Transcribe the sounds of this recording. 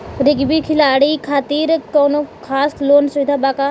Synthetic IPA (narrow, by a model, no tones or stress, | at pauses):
ɾɪɡbikʰɪlaːɽikʰaːt̪iːɾkɔːnokʰaːsloːnsʊʋɪd̪ʱaːbaːka